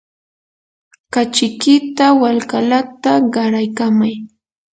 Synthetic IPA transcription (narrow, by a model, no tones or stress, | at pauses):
kat͡ʃɪkɪt̪awalkalat̪aɢɑɾajkamaj